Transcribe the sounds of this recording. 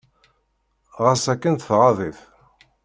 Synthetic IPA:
ʁəsækːənθəfʁaðiθ

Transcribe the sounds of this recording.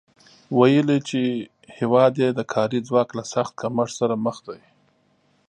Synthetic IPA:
wajəlit͡ʃe | hewɑd̪jed̪əkʰɑɾid͡zwɑklasaxt̪̚kamaʂsaɾaməxd̪aji

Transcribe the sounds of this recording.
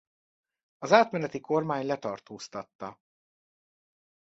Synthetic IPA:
ɒzaːt̪mɛnɛt̪ikʰo̞rmaːɲlɛt̪ɒrt̪oːst̪ɒt̪ːɒ

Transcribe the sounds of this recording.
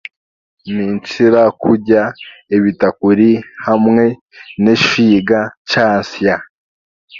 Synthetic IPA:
niːnt͡ʃiɾakuɾɟaeβitakuɾihamŋe̞ | neʃiːɡat͡ʃaːnsja

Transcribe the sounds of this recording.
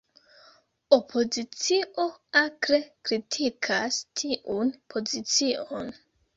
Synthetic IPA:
o̞pʰo̞zit͡siʔo̞akɾekɾitʰikʰastʰiʔunpʰo̞zit͡siʔo̞n

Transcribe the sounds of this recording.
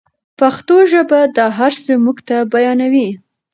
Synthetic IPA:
paxt̪oʒəbad̪ɑɦaɾsəmuɡt̪abajɑnawi

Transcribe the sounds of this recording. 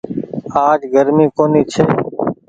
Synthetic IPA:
aːd͡ʒɡəɾmiːkoːniːt͡ʃʰeː

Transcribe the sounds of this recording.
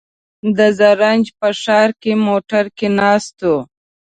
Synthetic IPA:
d̪əzaɾanʲd͡ʒpəʃɑːɾkemoʈaɾkenɑst̪o

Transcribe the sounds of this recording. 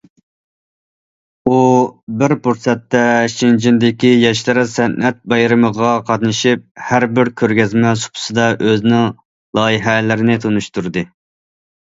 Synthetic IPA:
ubɪɾpuɾsɛt̪ːɛʃind͡ʒind̪ɪkʲijɛʃlɨɾɨsɛnʔɛt̪̚bɑjɾɨməʁɑqʰɑt̪nɨʃip̚hæɾbɪɾkʲʰøɾɡʲɛzmɛsʊ̥pʰʊ̥sɨd̪ɑʔøznɪŋ | lˠɑːjiɦɛlɪɾɪnɪt̪ʰonuʃt̪uɾd̪ɨ

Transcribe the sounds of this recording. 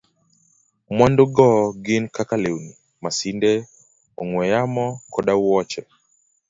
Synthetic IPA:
mwandoɡɔɡɪnkakalewni | masindɛ | ɔŋwɛjamɔkɔɗawwɔt͡ʃɛ

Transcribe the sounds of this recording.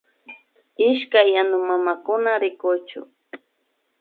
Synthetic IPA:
ɪʃkajːanʊmamakʊnaɾɪkʊt͡ʃʊ̰

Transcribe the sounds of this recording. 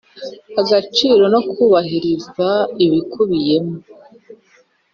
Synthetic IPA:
aɡat͡ʃiːɾo̞no̞kuːβahiɾizaiβikuβije̞mo

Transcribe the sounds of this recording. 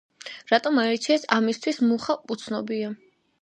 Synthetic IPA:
ɾat̪ʼɔmaɛt̪sʰiɛsamist̪ʰwismuχapʼut̪sʰnɔbia

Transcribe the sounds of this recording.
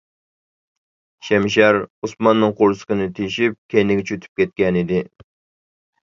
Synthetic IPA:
ʃɛmʃ̬ɛɾusmɑnːɨŋqʰoɾsə̥qənɨt̪ʰejʃip̚kʲʰejnɪɡʲɛt͡ʃʰøt̪ʰy̥p̚kʲɛt̪̚kʲɛnid̪ɪ

